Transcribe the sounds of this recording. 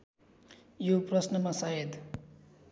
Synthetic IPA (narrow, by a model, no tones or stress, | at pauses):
joprʌsnʌmasaɦed̪